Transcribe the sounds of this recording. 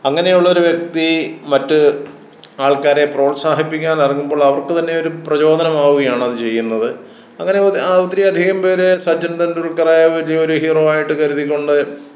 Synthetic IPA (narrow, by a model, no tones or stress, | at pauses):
ɐŋːɐne̞juɭːɐo̞ɾuʋjek̚t̪imɐtːɨ | aːɭkaːɾe̞pro̞ːɭsaːɦipːikʲːaːnɐriŋːumbo̞ːɭɐʋɐrkɨt̪ɐnːe̞o̞ɾuprɐt͡ɕo̞ːd̪ʱɐnɐmaːʋuɣɐjaːɳɐðɨt͡ɕe̞jːunːɐðɨ | ɐŋːɐne̞ɐt̪ːɾiɐd̪ʱiɣɐmpe̞ːɾesɐd͡ʑɐnd̪ɐnduɭkɐraːjaʋɐlijɐo̞ɾuhiːro̞ːaːjiʈːɨkɐɾuðikʲːoɳɖɨ